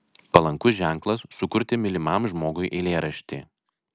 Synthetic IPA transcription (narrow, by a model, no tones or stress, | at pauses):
pɐlˠɐŋkʊsʒʲɛˑŋˑklˠɐsːʊkʊɾʲt̪ʲɪmʲɪlʲɪmɑmʒmoːɡʊɪʔɛlʲeːɾɐʃʲt̪ʲḭː